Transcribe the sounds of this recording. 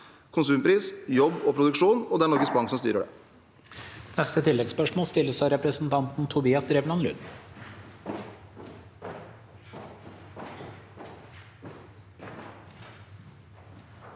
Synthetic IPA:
kʰʊnsʉːmpʰɾiːsjɔbːɔpʰɾʊd̪ʉkʂuːnɔd̪ɛæɳɔɾɡəsbɑŋksɔmst̪y̰ːɾəɖɛ̰ː | nɛst̪ət̪ʰɪlːɛɡspœʂmoːst̪ɪlːəsæɪɾɛpɾəsn̩t̪ʰɑnt̪n̩t̪ʰʊbiːɑsɾɛʋnɑnlʉ̰n

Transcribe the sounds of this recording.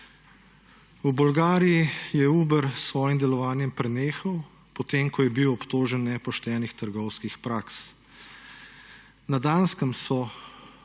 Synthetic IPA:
ubɔlɡaːɾijijɛuːbəɾsʋɔːjimd̪ɛlɔʋaːnjɛmpɾɛneːxɐw | pɔt̪eːmkɔjɛbiwɔpt̪oːʒənːɛpɔʃt̪ɛːnixt̪əɾɡɔwskixpɾaːks | nad̪aːnskəmsɔ

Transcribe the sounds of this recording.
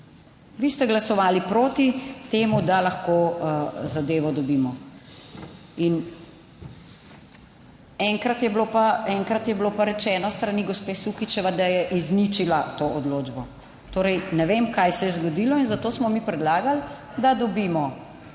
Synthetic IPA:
ʋiːst̪ɛɡlasɔʋaːlipɾoːt̪it̪eːmud̪alaxko | zad̪eːʋɔd̪ɔbiːmɔ | in | ɛŋkɾat̪jɛblopaɛŋkɾat̪jɛblopaɾɛt͡ʃɛːnɔst̪ɾaniɡospeːsukit͡ʃɛʋad̪ajɛʔiznit͡ʃilat̪oːɔd̪loːd͡ʒbɔ | t̪oːɾɛjnɛʋemkajsɛjɛzɡɔd̪iːlɔinzat̪oːsmɔmiːpɾɛd̪laːɡald̪ad̪ɔbiːmɔ

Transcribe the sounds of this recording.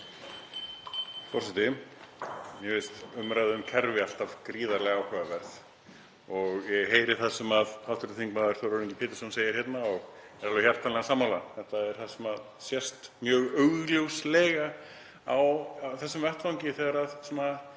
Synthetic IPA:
fɔrsɛt̪ɪ | jɛvɪst̪ʏmɾajðʏʏmkʰɛɾvɪal̥t̪avkɾiːðaɾlɛɣaawkʰvɛːðavɛɾð | ɔɣjɛɣɦeːjɾɪ̥θasːʏmaðhal̥t̪ʏɾɪθiŋkmaðʏɾ̥θoɾoɾĩɲcɪpʰɪːt̪ɪɾ̥sɔnseːjɪɾ̥hɛt̪naɔɣ | ɛɾalvɪçjar̥t̪ʰːanlɛɣasaːmalaθɛht̪aɛɾ̥θasɛmaðsjɛst̪mjœːɣœɥɣljowslɛːɣa | awθɛsːʏmvɛht̪fawɲcɪθɛɣaɾaðsɛna

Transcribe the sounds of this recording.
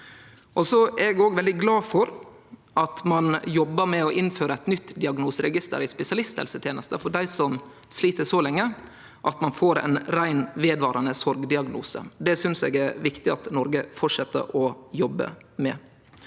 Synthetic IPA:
ʔɔsɔæɾɛɡoːɡʋɛld̪ɪɡlɑːfɔɾ | ʔɑt̪mɑnjɔbːəɾmɛɔʔɪnføːɾəæɪt̪nʏt̪ːd̪ɪɑɡnuːsəɾɛɡɪst̪ə̰ɾɪspɛsɪɑlɪst̪hɛ̰lsət̪ʰjeːnəst̪əfɔɖæɪsɔm | sliːt̪əsɔlɛŋːə | ʔɑt̪mɑnfoːɾæ̰ɪnɾæɪnʋeːd̪ʋɑːɾɑnəsɔɾɡd̪ɪɑɡnṵːsə̰d̪ɛsʏnsḛːɡæɾʋɪkt̪ɪɑt̪nɔɾɡəfɔʈʂɛt̪ʰːə̰ɾɔjɔbːə̰mɛ̰

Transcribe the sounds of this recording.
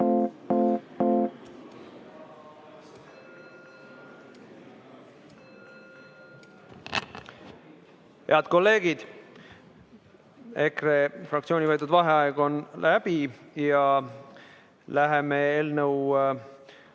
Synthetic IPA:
he̞ɑd̪̥ko̞lːe̞ːɡ̥id̪̥ | e̞krefrɑkt̪sio̞ːnʲivɤjt̪ːˑud̪vɑɦeɑeɡ̥o̞nlæb̥ijɑ | læɦemeeːlnəw

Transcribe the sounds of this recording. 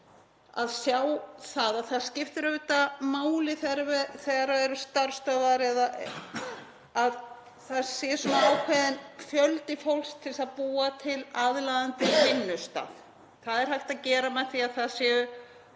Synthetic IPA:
a̰ðsjaːwθaːðaðθað̥scɪft̪ɪɾœt̪amaːwlɪθɛɾvɛθɛɣaɾaɛɾʏst̪aɾ̥st̪œvaɾɛðaʔ | að | θaðsjɛsɔaawkʰvɛðɪnfjœlt̪ɪfowlst̪ʰːɪlsaðpuːat̪ʰɪlaðlaðant̪ɪvɪnːʏst̪a̰ːð | θaðɛɾ̥hajht̪aðcɛːɾamɛðθiaðθaðsjɛʏ

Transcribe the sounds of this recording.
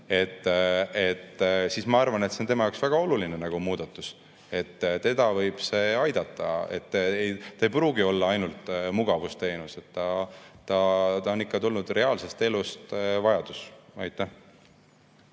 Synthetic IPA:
e̞t̪ːet̪ːsiːsmɑɑrvɑnet̪seont̪e̞mɑjɑwksvæɡ̥ɑo̞lulinenɑɡ̥umuːd̪̥ɑt̪ːˑus | e̞t̪ːt̪e̞d̪̥ɑvɤjb̥se̞ːɑjd̪̥ɑt̪ːˑɑ̰e̞̰t̪ːˑejt̪ɑejpruːɡ̥io̞lːɑɑjnult̪muɡ̥ɑvust̪e̞ːnuse̞t̪ːɑt̪ːɑt̪ɑonːikːɑt̪ulnud̪̥re̞ɑːlse̞st̪e̞lust̪vɑjɑd̪̥usɑjt̪ːˑeh

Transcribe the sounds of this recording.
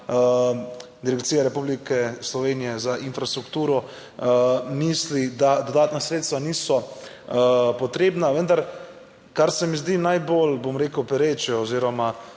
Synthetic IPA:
d̪iɾɛkt̪siːjaɾɛpublikɛslɔʋenijɛzaʔinfɾast̪ɾukt̪uːɾɔ | mislid̪ad̪od̪aːt̪nasɾeːt̪st̪ʋaniːsɔ | pɔt̪ɾeːbnaʋənd̪aɾ | kaɾsɛmizd̪inajbolbomɾeːkəwpɛɾet͡ʃɛɔziːɾɔma

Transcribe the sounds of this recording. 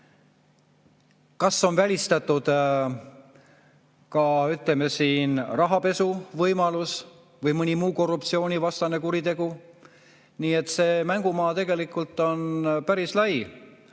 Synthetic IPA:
kɑsːo̞nvælʲist̪ɑt̪ːˑud̪̥ | kɑyt̪ˑleme̞siːnrɑɦɑpe̞suvɤjmɑlus | vɤjmɯnʲimuːko̞rːupt̪sio̞ːnʲivɑst̪ɑne̞kuɾit̪e̞ɡ̥u | niːe̞t̪ːˑse̞ːmæŋɡ̥umɑːt̪e̞ɡe̞likːˑult̪ːˑo̞npæɾislɑj

